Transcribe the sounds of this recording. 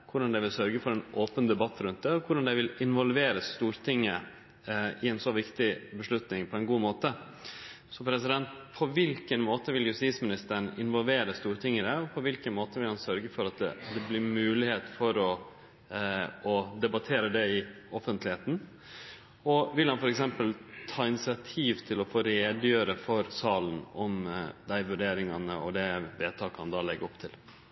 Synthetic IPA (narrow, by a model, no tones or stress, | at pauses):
kʰʊɖɑnd̪ɛʋɪlsœɾɡəfɔɾɛnʔoːpənd̪ɛbɑt̪ːɾʉnt̪̚d̪ɛɔkʰʊɖɑnd̪ɛʋɪlɪnʋɔlʋeːɾəst̪uːɾt̪ʰɪŋːə | ɪɛɪnsɔʋɪkt̪ɪbəʂɭʉt̪nɪŋpʰɔɛnɡuːmoːt̪ə | sɔpʰɾɛs̬ɪd̪ɛnt̪pʰɔʋɪlkənmoːt̪əʋɪljʉst̪iːt̪smɪnɪst̪əɳɪ̰nʋɔlʋeːɾəst̪uːɾt̪ʰɪŋːəd̪ɛɔpʰɔʋɪlkənmoːt̪əʋɪlhɑnsœɾɡəfɔɾɑt̪̚d̪ɛ̰d̪ɛblɪɾmʉːlɪheːt̪fɔɾɔ | ɔd̪ɛbɑt̪ʰeːɾəd̪ɛɪ | ɔfənt̪lɪheːt̪n̩ | ɔʋɪlhɑnfɔɾɛksɛmpəlt̪ʰɑːɪnɪsɪɑt̪ʰiːʋt̪ʰɪlɔfoːɾeːd̪jøːɾəfɔɾsɑːlən̩ɔmd̪æɪʋʉɖeːɾɪŋɑnəɔ̰d̪ɛʋeːt̪ʰɑːkəhɑ̰nd̪ɑːlɛɡːəɾɔpːt̪ʰɪl